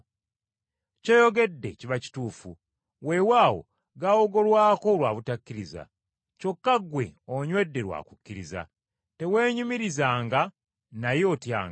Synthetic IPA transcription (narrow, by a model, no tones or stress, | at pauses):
co̞jo̞ɡe̞dːe̞ciβaci̥tuːfṵ | we̞waːwo̞̰ | ɡawo̞ɡo̞lwaːko̞lwa̰ːβutakːiɾiza̰ | co̞kːaɡwe̞̰oɲwe̞dːe̞ɾwa̰ːku̥kːiɾiza̰ | te̞we̞ːɲumiɾizaːŋɡa | najo̞ːtja̰ːŋɡa